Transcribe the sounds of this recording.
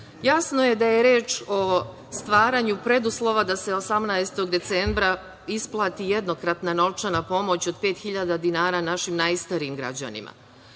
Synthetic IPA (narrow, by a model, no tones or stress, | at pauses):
jasnoje̞d̪ajeɾeːt͡ʃo̞ | st̪ʋaːɾaɲupɾe̞d̪uslˠo̞ʋad̪ase̞o̞samnaest̪o̞ɡd̪e̞t̪sembɾa | isplˠaːt̪ije̞d̪no̞kɾat̪nano̞ʋt͡ʃanapo̞mo̞t͡ɕo̞d̪̚pe̞ːt̪xiʎad̪ad̪inaːɾanaʃimnajst̪aɾiːmɡɾa̰d͡ʑa̰nḭma̰